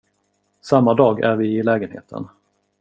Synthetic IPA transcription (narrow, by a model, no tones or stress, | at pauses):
samːad̪ɑːɡæɾvɪɪlɛːɡənhḛːt̪ʰə̰n